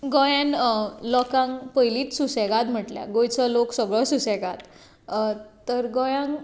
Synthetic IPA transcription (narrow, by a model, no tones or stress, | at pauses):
ɡɔjãnlɔkãŋkpəjliːt̪susɛɡat̪m̤əʈlja̰ɡojt͡səloksəɡɭɔsusɛɡat̪ | t̪əɾɡɔjãŋ